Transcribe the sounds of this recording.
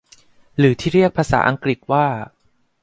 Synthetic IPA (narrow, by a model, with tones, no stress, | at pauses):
ɾɯː˩˦t̪ʰiː˥˩ɾi˥˩ək̚pʰaː˧sa̰ː˩˦ʔa˧ŋkɾi˨˩t̪̚waː˥˩